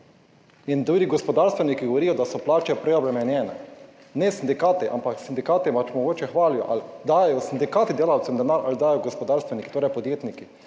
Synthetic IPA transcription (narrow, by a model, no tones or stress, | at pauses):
ind̪ɾuːɾiɡɔspɔd̪aɾst̪ʋɛnikiɡoʋɔɾiːjɔd̪asɔplaːt͡ʃɛpɾɛɔbɾɛmɛnjɛːnɛ̰ | nɛsind̪ikaːt̪iʔa̰mpaksind̪ikaːt̪ipat͡ʃmɔɡoːt͡ʃɛxʋaːljɔ̰ʔald̪aːjɛjɔsind̪ikaːt̪id̪eːlawt̪ɛmd̪ɛnaːɾʔalid̪aːjɔɡospɔd̪aːɾst̪ʋɛniki̥t̪oːɾɛjpɔd̪jeːt̪niki